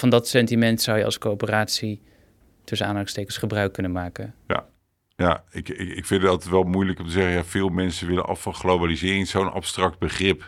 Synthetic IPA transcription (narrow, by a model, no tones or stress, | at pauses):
vɑndɑtsɛntimɛntsʌwjəɑ̰skopəraːtsi | tɵsənaːndɑkstejkənsχəbrœɥkːɵnənmaːkənja̰ | jaɪkɪɪkfɪndɑtətʋɛlˠmujləkɔmtəzɛχəjaːvɪːlˠmɛnsəʋɪlə̰nʔɑ̰fɑχlowbalizɪːrɪŋzownɑ̰pstrɑk̚d̚bəχrɪp